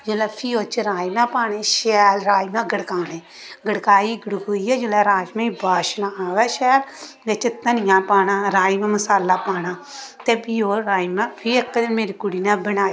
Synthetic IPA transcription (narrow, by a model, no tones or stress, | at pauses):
d͡ʒelaːpʰiːoːt͡ʃɾaːiːmãːpaːnẽːʃɛːlɾaːimãːɡəɽkaːnẽː | ɡəɽkaːiːɡəɽkoːiːɛːd͡ʒelaːɾaːd͡ʒmẽːibaːʃnaːʋɛːʃɛːl | jet͡ʃɪt̪ːanɪjãːpaːnãːɾaːimɛ̃ːməsaːlaːpaːnãːt̪eːpiːoːɾaːimãːpʰiːəkːmeːɾikʊɽiːnãːbənaː